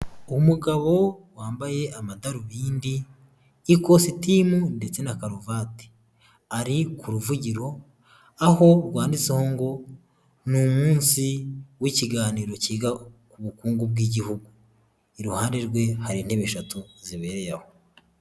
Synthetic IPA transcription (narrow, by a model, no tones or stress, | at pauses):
umuɡaβo̞waːmbaje̞ʔamadaɾuβiːndiː | ko̞sitimunde̞t͡se̞nakaɾovaːti̥ | aɾikuɾuvuɟiɾo̞ | aho̞ɾɡwaːndit͡sehoːŋɡo̞ | numuːnsiwiciɡaːniːɾo̞ciːɡakuβukuːŋɡubɡiːɟihuɡu | iɾuhaːndeɾɡwe̞haɾin̥he̞βeʃatuziβe̞ːɾe̞jaho